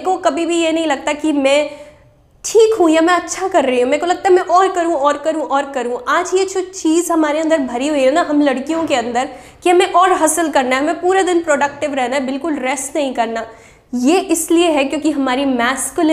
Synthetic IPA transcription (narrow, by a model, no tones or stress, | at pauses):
kokɐbʱibʱijenɐɦĩlɐɡ̚t̪akimɛ̃ | ʈʰiːkɦũjamɛ̃ɐtːʃʰakɐɾːɐɦiɦũmɛ̃ːkolɐɡ̚t̪aɦɛmɛ̃ʔɔːɾkɐɾũɔːɾkɐɾũʔɔːɾkɐɾũʔaːd͡ʒjet͡ʃoːt͡ʃiːzɦɐmaːɾeɐ̃nd̪əɾbʱɐɾiɦoiɦɛ̃naɦɐmlɐɽkijõkeɐ̃nd̪əɾ | kiɦɐmẽʔɔːɾɦɐsəlkɐɾnaɦɛɦɐmẽpuːɾad̪ɪnpɾoːɖɐk̚ʈɪʋɾɛɦnaɦɛbɪlkʊlɾɛsʈnɐɦĩkɐɾna | jeʔɪslieɦɛkjõːkiɦɐmaːɾimɛːskʊlɪ